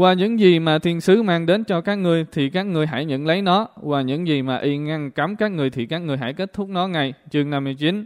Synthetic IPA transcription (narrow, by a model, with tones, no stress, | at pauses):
kwaː˧˩ɲɨ̰˧˥ŋzi˨˩maː˨˩t̪ʰi˧ənsɨ˨˦maː˧ŋɗe˨˦nt͡ɕɔ˧kaː˦˥k̚ŋɨ˧əjt̪ʰi˨˩kaː˦˥k̚ŋɨ˨˩əjɦa̰ː˧˩jɲə̰˧˥nlə˨˦jnɔ˨˦kwaː˨˩ɲɨ̰˧˥ŋzi˨˩maː˨˩ʔi˧ŋa˧ŋka˨˦mkaː˦˥k̚ŋɨ˨˩əjt̪ʰi˨˩kaː˦˥k̚ŋɨ˨˩əjɦa̰˧˩jke˦˥t̚t̪ʰʊ˦˥k͡p̚nɔ˨˦ŋa˨˩jt͡ɕɨ˨˧əŋna˧mːɨ˧əjt͡ɕi˨˦n